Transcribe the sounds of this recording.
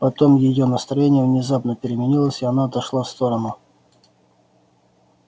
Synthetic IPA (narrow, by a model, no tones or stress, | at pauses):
pɐt̪o̞mjɪjonəst̪ɾɐjenʲɪjəvnʲɪzapnəpʲɪɾʲɪmʲɪnʲilˠəsʲɪɐnaɐt̪ɐʂlˠast̪o̞ɾənʊ